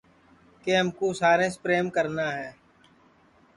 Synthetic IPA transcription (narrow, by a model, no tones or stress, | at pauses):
keɦɐmkosaːɾẽspɾeːmkəɾnaɦɛː